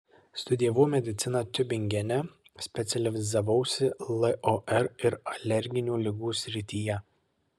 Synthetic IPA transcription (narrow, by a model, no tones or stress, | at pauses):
st̪ʊd̪ʲɪjɛʋoːmʲɛd̪ʲɪt̪sʲɪnɑt̪ʲʊbʲɪŋʲɡʲɛnʲɛ | sʲpʲɛt̪sʲɛlʲɪʋʲɪzɐʋɐʊsʲɪlˠɛʔɔʔɛɾɪɾɐlʲɛɾʲɡʲɪnʲuːlʲɪɡuːsʲɾʲɪt̪ʲiːjɛ